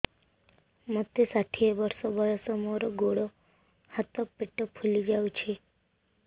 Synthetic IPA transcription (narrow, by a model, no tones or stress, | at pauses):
mət̪ːesaʈʰieʋəɾsobəjosəmoɾoɡoɽo | hat̪ɔpɪʈːəpʰulid͡ʒaʋut͡ʃʰe